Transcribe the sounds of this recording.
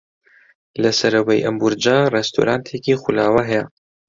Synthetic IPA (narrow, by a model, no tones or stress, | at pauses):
lɐsɐɾɐwejʔɐmbuɾd͡ʒaːrɛst̪ʰṵɾaːnt̪ʰekixulaːwaɦɛjɛ